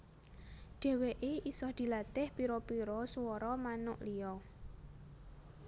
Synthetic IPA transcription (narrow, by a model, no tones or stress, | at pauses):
ɖ̥e̤weʔeʔisɔhd̪̥i̤lat̪ɪhpiɾɔpiɾɔsuwɔɾɔmanʊ̰ʔliɔ